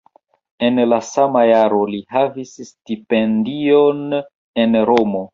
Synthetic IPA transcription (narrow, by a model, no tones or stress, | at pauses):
e̞nlasamajaɾo̞lihavisstipendion | e̞nɾo̞mo̞